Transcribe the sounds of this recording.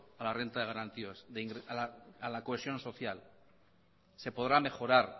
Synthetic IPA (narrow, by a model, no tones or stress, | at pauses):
alare̞nt̪aðeɣ̞aɾant̪iasðeiŋɡɾealaalakoe̞sjo̞nso̞θjal | se̞po̞ðɾame̞χo̞ɾaɾ